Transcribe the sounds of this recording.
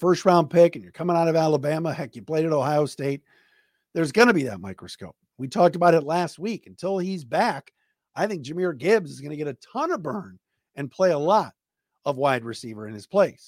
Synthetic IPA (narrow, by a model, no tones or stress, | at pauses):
fɜ˞stɹãʊ̃npʰɪkɨ̃n̩jə˞kʰʌmɪ̃ŋaʊɾʌvælˠəbæməhɛkjɨpʰl̥eɪɾɨɾoʊɦaɪoʊsteɪt̪̚ | ðə˞zɡʌnɨbiðɨ̰t̚maɪkɹɨskoʊp̚witʰɔk̚təbaʊɾɨtˡlæst̚wikn̩tʰɪlˠizbæk | aɪθɪ̃ŋk̚ʒ̥ɪ̃miə˞ɡɪbzɨzɡʌnɨɡɛɾɨtʰʌnəbɜ̃˞n | ɨ̃npʰl̥eɪəlɔɾ | ʌvwaɪd̚ɹɨsivə˞ɨ̰̃nɨz̥pʰl̥eɪs